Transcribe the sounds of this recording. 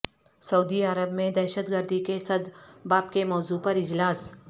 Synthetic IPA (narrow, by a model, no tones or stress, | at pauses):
sɐud̪iəɾəbmẽd̪ɛːʃət̪ɡəɾd̪ʱikesɐd̪baːp̚kemɔːzupɐɾɪd͡ʒlaːs